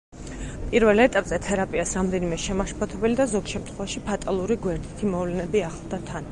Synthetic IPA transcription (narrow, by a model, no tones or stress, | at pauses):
pʼiɾvɛlˠɛt̪ʼapʼz̥ɛt̪ʰɛɾapʼiasɾamd̪ɛnimɛʃɛmaʃpʰʼɔt̪ʰɛbɛlid̪azɔɡʃɛmt̪ʰχwɛvaʃipʰat̪ʼalˠuɾiɡwɛɾd̪it̪ʰimɔvlɛnɛbiaχlˠd̪at̪ʰan